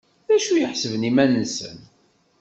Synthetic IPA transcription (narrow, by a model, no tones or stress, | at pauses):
ðæʃujəħsəvnimænənsə̰n